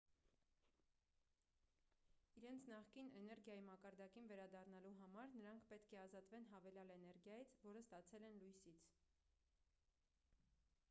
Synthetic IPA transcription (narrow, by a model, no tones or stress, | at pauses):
iɾɛnt͡sʰnɑχkinɛnɛɾɡʲjɑjimɑkɑɾd̪ɑkinvɛɾɑd̪ɑrnɑluɦɑmɑɾnəɾɑŋkʰpɛt̪kʰɛɑzɑt̪vɛnɦɑvɛlɑlɛnɛɾɡjɑjit͡sʰvɔɾəst̪ɑt͡sʰɛlɛnlujsit͡sʰ